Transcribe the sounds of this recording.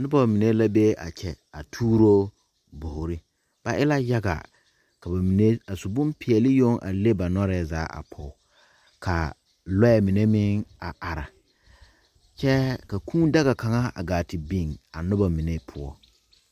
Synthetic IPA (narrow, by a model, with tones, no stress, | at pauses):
nʊ˦ba˨mi˨ne˦la˦be˦a̰˨t͡ʃʰɛ˨ | a˨tʰuː˦ɾo˦ | bʊ˨hɾɪ˦ | b̥a˨ʔɪ˦la˦ja˦ɡa̰˨ | ka˨ba˨mi˨ne˦a˨sʊ˨bʊ̃˦mpɪ˨ɛ˨lɪ˦jo˦ŋʔa̰˨le˦ba˨nɔ˦ɾɛ˨za̰ː˨˦ʔa̰˨pʰɔ˨˦ | kʰa̰˨ | lɔ˦ɛ˨mɪ˨ne˦mɪ˦ŋa˨ʔa˨ɾa̰˨ | t͡ʃɛ˦ka˨kʰũː˦da˦ɣa˨ka˨ŋa˦a̰˨ɡaː˨tɪ˨bi˦˨ŋa˨nʊ˦ba˨mi˨ne˦pʰʊ˦ɔ̰˦˨